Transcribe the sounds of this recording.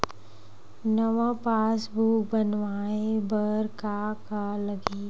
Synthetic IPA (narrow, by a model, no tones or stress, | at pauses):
nəʋãpaːsbʱuːbənʋaːebəɾkakaləɡiː